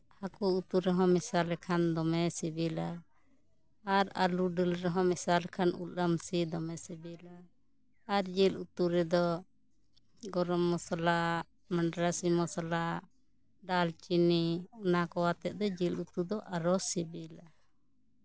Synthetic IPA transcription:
hakuut̪uɾɛɦɔ̃misalɛkʰand̪ɔmɛsibila | aɾa̰luɖilɾɛɦɔ̃misalɛkʰanṵlamsid̪ɔmɛsɛbila | aɾd͡ʒilut̪uɾɛd̪ɔ | ɡɔɾɔmːɔsala | maɳɖɾasimɔsalaʔ | ɖalt͡ʃiniunakɔwat̪ɛʔ̚d̪ɔd͡ʒilut̪ud̪ɔʔaɾɔsɛbila

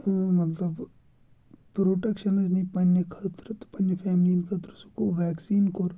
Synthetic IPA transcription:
mɐt̪ləb | pɾoːʈekʃənɐd͡ʒnĩpɐnːekʰɐt̪ɾt̪pɐnepʰɛːmlinkʰɐt̪ɾosukoʋɛːksiːnkoɾ

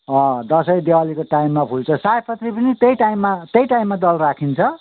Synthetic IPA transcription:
ʌ̃d̪ʌsʌjd̪ewalikoʈaimːapʰult͡sʰʌsajpʰʌt̪ripʌnit̪ejʈaimːat̪ejʈaimːad̪ʌlrakʰint͡sʰʌ

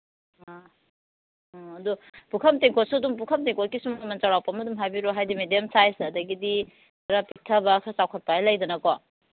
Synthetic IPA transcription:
ɐdupukʰɐmteŋkʰot̚sudumpukʰɐmteŋkʰot̚kisummɐnt͡ʃawɾawpɐmɐdumɦajbiɾoɦajdimediemsajsɐdɐɡidi | ɾapik̚tʰɐbɐkʰasawkʰɐt̚pajlɐjdɐnɐkɔ

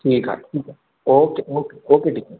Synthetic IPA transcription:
ʈʰiːka̰ʈʰiːka | oːkeoːkeoːkeʈikː

